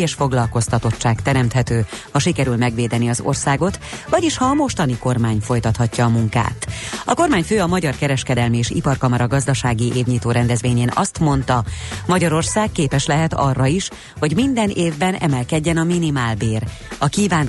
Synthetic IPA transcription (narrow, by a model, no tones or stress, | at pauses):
eʃfo̞ɡlɒlko̞st̪ɒt̪o̞t͡ʃːaːkt̪ɛɾɛmt̪hɛt̪øːhɒʃikɛɾylmɛɡʋeːd̪ɛniɒzo̞̰rsaːɡo̞t̪vɒɟiʃhɒːmo̞ʃt̪ɒniko̞rmaːɲfo̞jt̪ɒt̪hɒcːɒːmuŋka̰ːt̪ɒko̞rmaːɲføːɒmɒɟɒrkɛɾɛʃkɛd̪ɛlmieːʃḭpɒrkɒmɒɾɒɡɒzd̪ɒʃaːɡiʔeːbɲiːt̪oːɾɛnd̪ɛzʋeːɲeːnɒ̰st̪mo̞nt̪ɒmɒɟɒɾo̞rsaːkkeːpɛʃlɛɦɛt̪ɒ̰rːɒiʃ | ho̞ɟmind̪ɛneːvbɛnɛ̰mɛlkɛɟːɛnɒminimaːlbeːrɒkiːvaːn